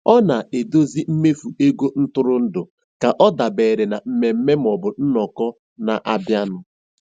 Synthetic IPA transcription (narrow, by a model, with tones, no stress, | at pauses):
ɔ˦na˨e˨do˦zi˦m̩˦me˦fu˨e˦ɡʷo˦n̩˦tʊ˦ɾʊ˦n̩˦dʊ˨ | ka˨ʔɔ˦da˨beː˨ɾe˨na˨m̩˦me˨m̩˦me˦m̩˨ɔ˨bʊ˨n̩˦nɔ˨kɔ˦ | na˨ʔa˦bja˦nʊ˦